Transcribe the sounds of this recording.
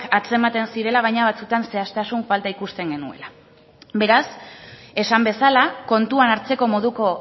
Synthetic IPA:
kat͡se̞mat̪e̞nsiɾe̞laβ̞ajɲaβ̞at͡sut̪anse̞ast̪asuɱfalt̪aikust̪e̞ŋɡe̞nue̞̰la | be̞ɾase̞sambe̞salako̞nt̪uanaɾt͡se̞ko̞mo̞ðuko̞

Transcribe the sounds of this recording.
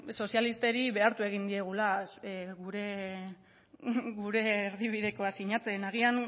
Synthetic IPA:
so̞sialist̪e̞ɾiβe̞aɾt̪ue̞ɣ̞ind̪ie̞ɣ̞ulasɣuɾe̞ | ɡuɾe̞ːɾðiβ̞iðe̞ko̞asiɲat͡se̞naɣ̞ian

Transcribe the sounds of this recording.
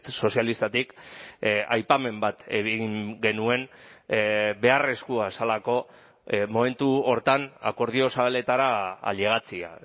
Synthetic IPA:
t̪so̞sjalist̪at̪ik | ajpame̞mbat̪e̞ɣiŋɡe̞nue̞n | be̞are̞skuasalako̞ | mo̞me̞nt̪uo̞ɾt̪ana̰ko̞ɾð̞io̞saβale̞t̪aɾaa̰ʎe̞ɣat͡sia̰

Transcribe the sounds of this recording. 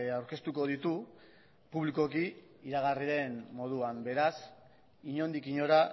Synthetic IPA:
awɾke̞st̪uko̞ð̞it̪u | puβliko̞ki | iɾaɣ̞ariɾe̞nːo̞ð̞uambe̞ɾas | iɲo̞nd̪ikiɲo̞ɾa

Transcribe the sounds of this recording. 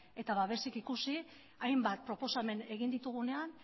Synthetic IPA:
e̞t̪aβaβe̞sikikusi | ajmbat̪̚pɾo̞po̞same̞ne̞ɣind̪it̪uɣ̞une̞an

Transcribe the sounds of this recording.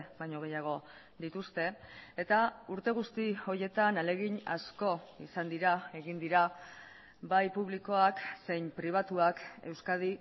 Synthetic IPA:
bajɲo̞ɣ̞e̞jaɣ̞o̞ | d̪it̪ust̪e̞ːt̪auɾt̪e̞ɣ̞ust̪io̞je̞t̪anale̞ɣiɲa̰sko̞isand̪iɾae̞ɣind̪iɾa | bajpuβliko̞akse̞jmpɾiβ̞at̪uake̞wskað̞i

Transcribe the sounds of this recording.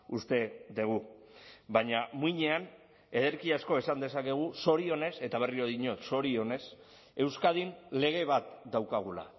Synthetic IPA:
ust̪e̞d̪eɣ̞u | baɲamuiɲe̞an | e̞ðe̞ɾkiasko̞esand̪e̞sake̞ɣ̞uso̞ɾio̞ne̞se̞t̪aβ̞e̞riɾo̞ðiɲo̞t̪so̞ɾio̞ne̞s | e̞wskað̞inle̞ɣ̞e̞β̞at̪d̪awkaɣ̞ula̰

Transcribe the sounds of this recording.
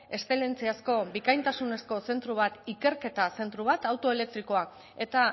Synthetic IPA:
e̞st̪e̞le̞nt͡siasko̞bikajnt̪asune̞sko̞se̞nt̪ɾuβ̞at̪ike̞ɾke̞t̪ase̞nt̪ɾuβ̞at̪awt̪o̞ele̞k̚t̪ɾiko̞a | e̞t̪a

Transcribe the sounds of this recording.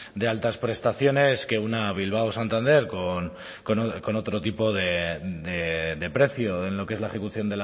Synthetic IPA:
d̪e̞alt̪aspɾe̞st̪aθjo̞ne̞ske̞unaβ̞ilβ̞awsant̪and̪e̞ɾkon | ko̞noko̞no̞t̪ɾo̞t̪ipo̞ðed̪ed̪e̞pɾe̞θjoenlo̞kee̞zlae̞xe̞kuθjo̞nd̪el

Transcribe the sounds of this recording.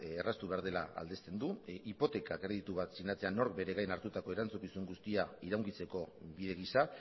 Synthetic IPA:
erast̪uβe̞aɾð̞e̞laa̰ld̪e̞st̪e̞nd̪uipo̞t̪e̞kakɾe̞ð̞it̪uβat̪siɣnat͡se̞ano̞ɾk̚be̞ɾe̞ɣajnaɾt̪ut̪ako̞e̞ɾant͡sukisuŋɡust̪iaiɾawŋkit͡se̞ko̞βiðe̞ɣ̞isa

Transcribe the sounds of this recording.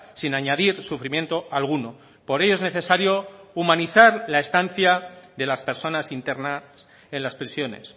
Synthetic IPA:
sinaɲaðiɾsufɾimje̞nt̪o̞alɣ̞uno̞ | po̞ɾe̞ʝo̞ezne̞θe̞saɾjo̞umãniθaɾlae̞st̪anθjaðe̞laspe̞ɾso̞nasint̪e̞ɾnas | e̞nlaspɾisjo̞ne̞̰s

